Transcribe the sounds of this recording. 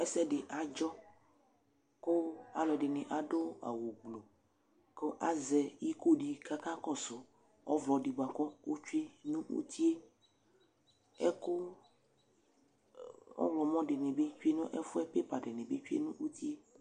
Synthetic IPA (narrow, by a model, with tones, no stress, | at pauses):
ɛ˦sɛ˦ɖe˨ʔa˨d͡ʒɔ˦ | ko˦a˨lɔ˨ɖe˨nẽ˨ʔa˨ɖo˦a̰˨wo˨ɡ͡blo˨ | ko˦ʔa˦zɛ˨ji˦ko˦ɖi˨ka˦ka˦kɔ˦so˨ | ɔ̰˦vlɔ˨ɖi˨ɡ͡ba˨kɔ˦o˦t͡ʃu˦e˦nũ˦ṵ˦t̪ʰi˦e˦ | ḛ˦ko˦ | ɔ̰˦vlɔ˨mɔ̃˦ɖe˨nẽ˨be˦t͡ʃu˦e˦nũ˦ʔe˦fu˦ɛ˦pe˦pa˨ɖe˨nẽ˨be˦t͡ʃu˦ḛ˦nũ˦ʔu˦t̪i˦e˦